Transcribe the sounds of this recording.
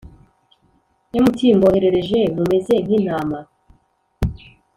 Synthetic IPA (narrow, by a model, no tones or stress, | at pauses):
jomutʰiːmboheɾe̞ɾe̞ʒemume̞zen̥in̥aːma